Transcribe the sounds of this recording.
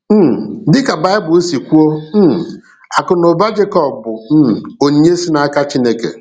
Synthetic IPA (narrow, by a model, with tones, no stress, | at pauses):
m̩˦˨dɪ˦ka˨ba˨˦ɪ˦bʊ˨e˦si˨kʷu˦o˦m̩˦˨ | a˨kʊ˨nʊ˨ba˦d͡ʒe˦kɔ˨bʊ˨n̩˦˨o˨˦ɲe˦si˦na˦ka˦t͡ʃi˦ne˦kḛ˨